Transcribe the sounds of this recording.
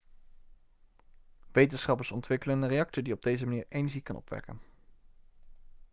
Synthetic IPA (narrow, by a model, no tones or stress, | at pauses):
ʋejtənsχɑpəɹsɔntʋɪkələndərejɑk̚tədiɔb̚dejzəmaniːɹejnəɹʒikɑnɔ̰pʋɛ̰kə̰n